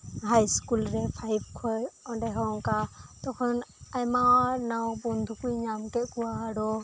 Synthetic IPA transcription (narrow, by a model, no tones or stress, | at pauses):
ɦajskulɾɛpʰajb̚kʰɔjɔɖɛɦɔŋkat̪ɔkʰɔnajmanawbɔnd̪ʱukujɲamkɛʔkuwaɽɔ